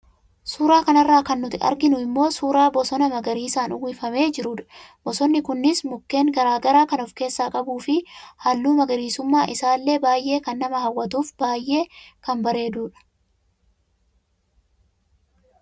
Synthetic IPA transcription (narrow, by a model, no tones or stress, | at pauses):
suːɾaːkɐnɐrːaːkɐnːʊt̪ɪɐ̰ɾɡɪnʊɪmːo̞ːsuːɾaːbɔsɔnɐmɐɡɐɾiːsaːnʊwiːfɐme̞ːd͡ʒɪɾʊᶑɐ̥b̥ɔsɔnːɪkʊnːɪsmʊkːe̞ːŋɡɐɾaːɡɐɾaːkɐnɔfke̞ːsːaːkʼɐbuːfɪhɐlːuːmɐɡɐɾiːsʊmːaːʔɪsaːlːe̞ːbaːjʔe̞ːkɐnːɐmɐhɐwːɐt̪uːfbaːjʔe̞ːkɐnbɐɾe̞ːd̪uːᶑɐ̥